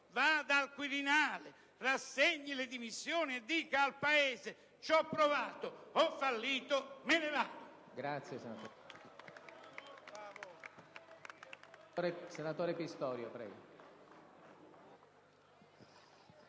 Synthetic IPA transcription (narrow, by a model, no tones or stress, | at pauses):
vad̪alkwiɾinaːle | rasːeɲːilɪd̪imisːjoːnied̪ːiːkaːlpaeːze | t͡ʃɔpːɾovaːt̪oɔfːalːiːt̪omenevaːd̪o | ɡɾat̪sːjesenat̪o | av | ɾesenat̪oːɾepist̪ɔːɾjopɾɛ̰ːɡo